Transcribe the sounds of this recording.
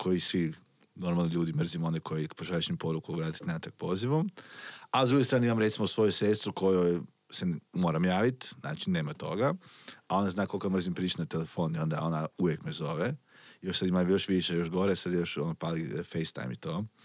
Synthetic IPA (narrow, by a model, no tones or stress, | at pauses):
kʰo̞jisʋi | no̞ɾmalnoʎʲuːd̪imr̩zimo̞nekʰo̞jipoʃaɾit͡ʃɲimpo̞ɾukuʋɾaːt̪i̥t̪nat̪ak̚po̞ziʋomazd̪ɾuɡest̪ɾaːneimamɾe̞t̪simosʋo̞jusest̪ɾuko̞joj | semo̞ːɾamjaːʋit̪na̰ːt͡ʃineːmat̪o̞̰ɡaao̞nd̪aznaːko̞lkomr̩zimpɾiːt͡ʃenat̪elefo̞ːnio̞nd̪ao̞nauʋjekmezo̞ʋeijoʃsad̪imajo̞ʃʋiʃejo̞ʃɡoɾesad̪jjo̞ʃonopalifejst̪a̰jmit̪oː